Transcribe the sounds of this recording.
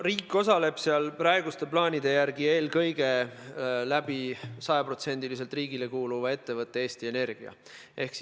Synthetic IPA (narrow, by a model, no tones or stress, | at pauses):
riːkːˑo̞sɑle̞b̥seɑlprɑeɡust̪e̞plɑːnʲid̪̥e̞jæɾɡie̞ːlkɤ̞jɡ̥e̞ | læb̥isɑjɑpro̞t̪se̞nʲd̪ilis̬e̞lt̪ˑriːɡile̞kuːluvɑe̞t̪ːe̞vɤt̪ːˑe̞e̞ːst̪ie̞ne̞rɡ̥iɑ̰ | ʔehks